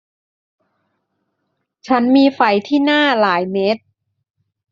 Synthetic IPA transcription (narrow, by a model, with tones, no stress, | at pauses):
t͡ɕʰa˦˥nmiː˧fa˩jt̪ʰiː˥˩naː˥˩laː˩˦jme˦˥t̪̚